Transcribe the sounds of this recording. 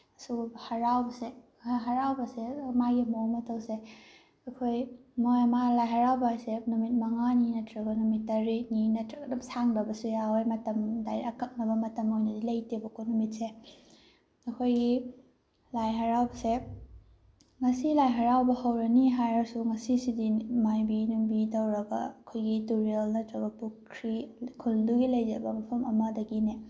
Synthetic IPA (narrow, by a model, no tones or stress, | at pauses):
suhɐɾawbɐse | ɦɐɾawbɐsemaɡimomɐtʰɐwse | ɐkʰojmojmalajɦɐɾawbaajsenumit̚mɐŋaninɐtʰɾɐɡɔnumitːɐɾininɐtʰɾɐkɐdɐmsaŋdɐbɐsujawajmɐtɐmdajɐkɐk̚nɐbɐmɐtɐmojnɐdilɐjtibɐkonumit̚se | ɐkʰojɡi | lajɦɐɾawbɐse | ŋɐsilajɦɐɾawbɐhɐwɾɐniɦajɐɾsuŋɐsisidimajbinuŋbitɐwɾɐbɐ̰ɐkʰojɡituɾielnɐtɐwbɐpukʰɾikʰulduɡilɐjd͡ʒɐɾbɐmɐpʰɐmɐmɐdɐɡine